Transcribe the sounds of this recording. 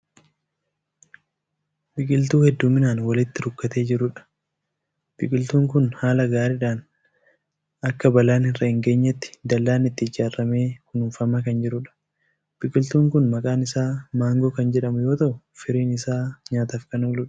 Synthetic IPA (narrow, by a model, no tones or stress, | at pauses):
bɪkʼɪlt̪uːhɛd̪ːuːmːɪnaːnwɐlɪt̪ːɪɾʊkːɐt̪e̞ːd͡ʒɪɾʊᶑɐ̥ | b̥ɪkʼɪlt̪uːŋkʊnhaːlɐɡaːɾɪᶑaːn | ɐkːɐbɐlaːnɪrːɐhɪŋɡe̞ːɲːɐt̪ːɪ̥d̪ɐlːaːnɪt̪ːɪɪd͡ʒaːrːɐme̞ːhʊnuːnfɐmɐkɐnd͡ʒɪɾʊᶑɐ̥ | b̥ɪkʼɪlt̪uːŋkʊnmɐkʼaːnɪsaːmaːŋɡoːkɐnd͡ʒɛᶑɐmʊjo̞ːt̪ɐʔʊ | fɪɾiːnɪsaːɲaːt̪ɐfkɐnoːlʊᶑɐ̥